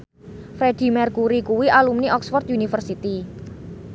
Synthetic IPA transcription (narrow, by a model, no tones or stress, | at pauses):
fɾed̪̥i̤mɛrkuɾikuwiʔalumniʔɔksfɔrt̪̚junifərsit̪i